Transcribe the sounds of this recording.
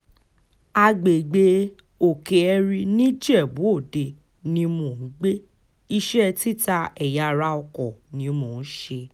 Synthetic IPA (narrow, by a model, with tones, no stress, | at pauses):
a˧ɡ͡be˨ɡ͡be˧ | o˨ke˨ɛ˧ɾi˧nĩ˦d͡ʒɛ˦˨bũ˨˦o˦˨de˧ | nĩ˧˦mũ˨ŋ̩˨˦ɡ͡be˦ | i˧ʃɛ˦ti˦ta˧ɛ˨ja˨˧ɾa˧ɔ˧kɔ˨nĩ˨˦mõ˨ñ̩˦ʃe˧